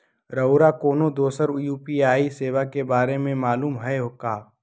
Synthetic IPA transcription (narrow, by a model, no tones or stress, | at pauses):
ɾɐʊɾakoːnod̪oːsəɾjuːpiaːiseːʋakebaːɾemẽmaːluːmɦɛeɦoːkaː